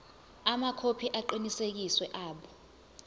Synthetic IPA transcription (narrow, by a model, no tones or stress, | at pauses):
amakʰopʰiʔaǃinisek̬iswɛʔaːɓɔ